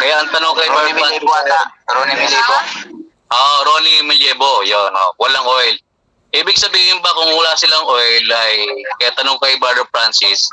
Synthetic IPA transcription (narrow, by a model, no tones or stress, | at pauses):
kɐjaʔɐŋt̪ɐnoŋkɐjbadaaaɾonimɪljɛbo | ʔoʔɾonimɪljɛːbojono̰wɐlaŋʔojl | ʔiːbɪɡ̚sɐbiːhɪnbɐkʊŋwɐlaːsɪlaŋʔojlɐjkɐjat̪ɐnoŋkɐjbad̪opɹansɪs